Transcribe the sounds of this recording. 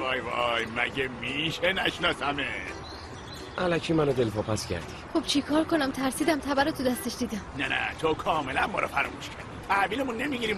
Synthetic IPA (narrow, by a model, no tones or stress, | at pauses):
ɒːjvɒ̰jmæ̰ɟemiʃenæʃnɒːsæme | ʔælæcʰiːmænod̪e̞lpʰɒːpæscæ̰ɾd̪iχob̥t͡ʃʰikʰɒːɾkʰonæmt̪ʰæɾsiːd̪æmt̪ʰæbæɾot̪ʰud̪æst̪eʃd̪iːd̪æmnænæ̰t̪ʰokʰɒːmelænmɒ̰ːɾʔɒ̰fæɾɒ̰muːʃkʰæɾd̪it̪ʰæviːlemunːemiɡiɾiːm